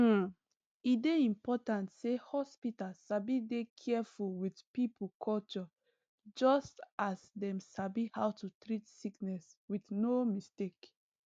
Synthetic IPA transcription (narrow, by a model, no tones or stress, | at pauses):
ideĩmpɔtãntsehɔspitalsabidekʰɛfuwidpipʰukʰɔlt͡ʃɔ | d͡ʒɔstasdɛ̃msabihawtutɹitsiknɛswiθnomistek